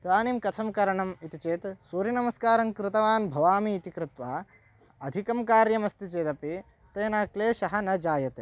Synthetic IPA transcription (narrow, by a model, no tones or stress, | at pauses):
t̪aːnimkɐt̪ʰɐmkɐɾɐɳɐmit̪it͡ʃeːt̪suːɾinɐmɐskaːɾɐŋkɾɪt̪ɐʋaːnbʱɐʋaːmiːt̪ikɾɪt̪ʋaː | ɐd̪ʱikɐmkaːɾjɐmɐst̪it͡ʃeːt̪ɐpi | t̪eːnaːkleːʃɐɦɐnɐd͡ʒaːjɐt̪eː